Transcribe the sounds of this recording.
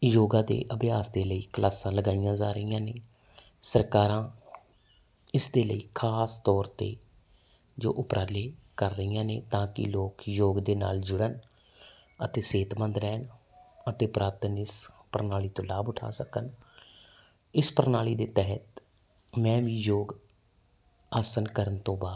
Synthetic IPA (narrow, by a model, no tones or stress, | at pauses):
joːɡãːd̪ḛːʔəbɪjaːsd̪eːləiːkəlʔaːsãːləɡaːijãːzaːɾəijãːneː | səɾkaːɾãː | ɪsd̪eːləiːkʰaːst̪ɔːɾt̪ḛː | d͡ʒo̰ːʔʊpɾʔaːleːkəɾːəiːjãːnḛːt̪ãːkɪ̰loːkjoːɡd̪eːna̰ːld͡ʒʊɽən | ət̪eːseːt̪mənd̪ɾɛːn | ət̪eːpɾaːt̪ənɪspəɾnaːliːt̪õːlaːbʊʈʰa̰ːsəkən | ɪspəɾnaːliːd̪eːt̪ɛɦət̪ | mɛ̃ːʋiːjoːɡ | aːsənkəɾənt̪õːbaːd̪